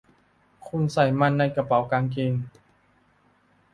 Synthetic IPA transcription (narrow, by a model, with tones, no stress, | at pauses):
kʰu˧nsa˨˩jma˧˨nːa˧jka˧pa˨˦wkaː˧ŋk̬i˧ŋ